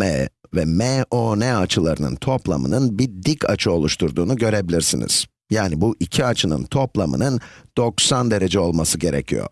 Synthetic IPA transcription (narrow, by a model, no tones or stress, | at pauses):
ɛvɛmɛonɛat͡ʃʰɯlˠaɾɯnɯ̰nt̪ʰo̞plˠa̰mɯ̰nɯnbiɾd̪icʰa̰t͡ʃʰɯo̞lˠuʃt̪ʰuɾd̪uːnuɟø̞ɾe̞bilʲiɾsḭnḭz̥ | jaːnibuʔicʰiat͡ʃʰɯnɯ̰nt̪ʰo̞plˠamɯ̰nɯnd̪̥o̞ksand̪e̞ɾe̞d͡ʒɛo̞lˠmasɯɟe̞ɾɛcʰijo̰